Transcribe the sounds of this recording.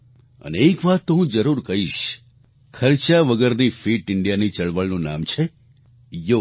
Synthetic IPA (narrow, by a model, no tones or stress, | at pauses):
ə̰neekʋat̪ːoɦũd͡ʒəɾuɾkəɦiʃ | kʰəɾt͡ʃaʋəɡəɾnifiʈɪɳɖijanit͡ʃəɭʋəɭnũna̰mt͡ʃʰe | jo